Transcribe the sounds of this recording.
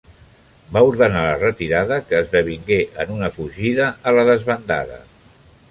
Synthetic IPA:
bauɾðənalərət̪iɾaðəkəːzðəβ̞iŋɡeʔənunəfuʒiðəʔːləðəzβənd̪a̰ðə̰

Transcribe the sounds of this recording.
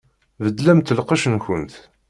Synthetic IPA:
vəd̪ːlæmt̪ːəlqɑʃənçənt̪

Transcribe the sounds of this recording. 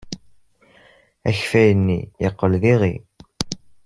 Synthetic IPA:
æ̰çfæjənːijəqːəlðiʁi

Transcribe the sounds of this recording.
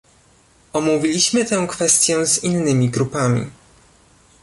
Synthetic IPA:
ɔmuvʲilʲiɕmɘt̪ɛ̃w̃kfɛst̪ʲjɛ̃zinːɘmʲiɡɾupamʲḭ

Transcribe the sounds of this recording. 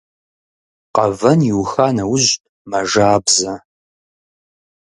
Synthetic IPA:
qɐvɐnjiwxaːnɐwʊʑ | mɐʒaːbzɐ

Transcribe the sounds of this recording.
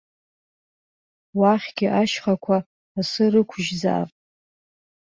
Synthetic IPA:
waχʲɡʲɪʔaʃχakʷʰaː | sɨrɨkʷʰʒd͡za̰r

